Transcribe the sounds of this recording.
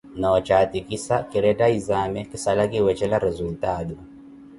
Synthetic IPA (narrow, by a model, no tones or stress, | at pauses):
naːt͡ʃatikisakiɾɛtaizamɛkisalakiwɛt͡ʃɛlaɾɛzultaːɗu